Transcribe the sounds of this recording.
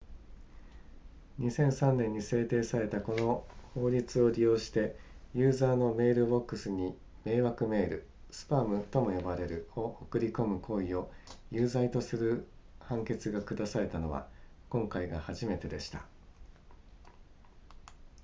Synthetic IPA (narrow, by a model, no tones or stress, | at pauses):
ɲ̟isẽ̞ɰ̃sãnːẽ̞ɲ̟ːise̞ːt̪e̞ːsaɾe̞t̪ako̞no̞ho̞ːɾʲit͡sɨo̞ɾʲijo̞ːɕi̥t̪e̞jɯːzaːno̞me̞ːɾɯ̟bo̞kːɯ̟sɨɲ̟i | me̞ːβakɯ̟me̞ːɾɯ̟ | sɨ̥pamɯ̟t̪o̞mo̞jo̞baɾe̞ɾɯ̟o̞okɯ̟ɾʲiko̞mɯ̟kʰo̞ːio̞ | jɯːzait̪o̞sɨɾɯ̟hãŋke̞t͡sɨɡakɯ̟d̪asaɾe̞t̪ano̞βa̰ | kõŋkaiɡahaʑime̞t̪e̞d̪e̞ɕi̥t̪a